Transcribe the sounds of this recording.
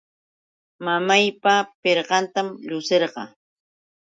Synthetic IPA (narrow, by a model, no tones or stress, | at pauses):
mamajpapeɾɢɑnt̪amʎʊseɾɢɑ̰